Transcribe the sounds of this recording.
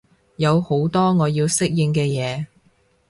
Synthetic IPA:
jɐ˨˧who˨˥wt̪ɔː˥ŋɔː˨˧jiː˧wsɪ˥k̚jɪ˧ŋkɛː˧jɛː˨˧

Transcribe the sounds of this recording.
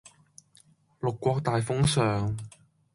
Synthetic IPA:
lʊ˨kːʷɔː˧k̚t̪aː˨jfʊ˥ŋsœː˨ŋ

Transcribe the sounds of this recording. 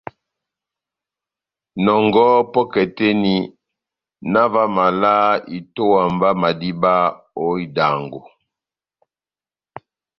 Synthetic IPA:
nɔ˨ŋɡɔ˦pɔ˦kɛ˨tɛ˦ni˦ | na˦va˦ma˨la˦i˨to˦wa˨mba˦ma˨di˦ba˦ | o˦i˨da˨ŋɡo˨

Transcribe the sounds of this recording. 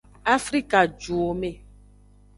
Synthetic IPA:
a˦fɾi˦ka˨d͡ʒu˨o˨me˦˨

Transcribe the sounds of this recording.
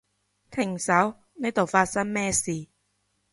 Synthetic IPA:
t̪ʰɪ˨˩ŋsɐ˨˥w | ne˨˥t̪o˨˩wfaː˧t̚sɐ˥nmɛː˥˩siː˨˩

